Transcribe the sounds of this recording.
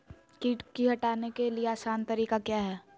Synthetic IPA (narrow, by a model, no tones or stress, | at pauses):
kiːʈkiɦɐʈaːnekelieaːsaːnt̪ɐɾiːkakjaːɦɛː